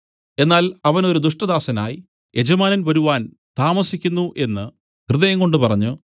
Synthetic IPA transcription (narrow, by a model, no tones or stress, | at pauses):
e̞nːaːlɐʋɐnoɾud̪uʂʈɐd̪aːsɐna̰ːji | e̞d͡ʑɐmaːnɐnʋɐɾuʋaːn | t̪aːmɐsikʲːunːuʔe̞nːɨ | krɨðɐjɐŋko̞ɳɖɨpɐrɐɲːu